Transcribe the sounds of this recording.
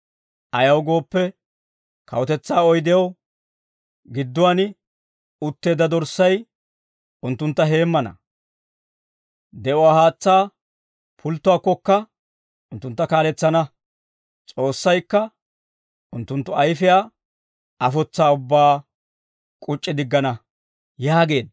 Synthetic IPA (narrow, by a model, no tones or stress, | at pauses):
ʔɐjɐwɡo̞ːpːɛ | kʰɐwɔt̪ɛt͡sːaːɔjd̪ɛjɐw | ɡɪd̪ːʊwaːnɪ | ʊt̪ːe̞ːd̪ɐd̪ɔɾsːɐj | ʊnt̪ːʊnt̪ːɐɦe̞ːmːɐnɐ̰ | d̪ɛʔʊwaːhaːt͡sːaː | pʰʊlt̪ːʊwaːkːɔkːɐ | ʊnt̪ːʊnt̪ːɐkaːlɛt͡sːɐnɐ | t͡sʼo̞ːsːɐjkːɐ | ʊnt̪ːʊnt̪ːʊɐjfɪjaː | ɐfɔt͡sːaːʊbːaː | kʼʊt͡ʃʼːɪd̪ɪɡːɐnɐ | jaːɡe̞ːd̪